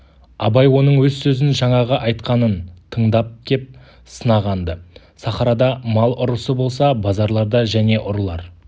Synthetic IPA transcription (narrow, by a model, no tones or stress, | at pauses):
ɑbɑjwo̞nəɴwɵzsɵzɪnʒɑɴɑʁəʔɑjt̪qɑnənt̪ʰəɴd̪ɑp̚d̪ʲe̞p̚ | sənɑʁɑnd̪ə | sɑχɑɾɑd̪ɑmɑlˠʔʊɾəsəbo̞lˠsɑbɑzɑɾlˠɑɾd̪ɑʒæne̞ʔʊɾlˠɑɾ